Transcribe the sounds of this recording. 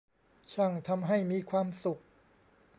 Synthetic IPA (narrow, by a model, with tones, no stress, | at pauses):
t͡ɕʰa˥˩ŋt̪ʰa˧mɦa˥˩jmiː˧kʰwaː˧msu˨˩k̚